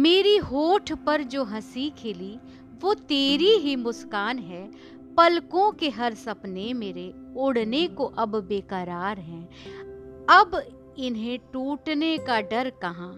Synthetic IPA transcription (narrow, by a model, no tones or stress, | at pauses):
meːɾiɦoːʈʰpɐɾd͡ʒoːɦɐsikʰɪli | ʋoːt̪eːɾiɦimʊskaːnɦɛː | pɐlkõkeɦɐɾsɐpnemeːɾeʊɽnekoʔɐbːeːkəɾaːɾɦɛ̃ː | ɐb | ɪnɦẽʈuːʈnekaɖɐɾkɐɦãː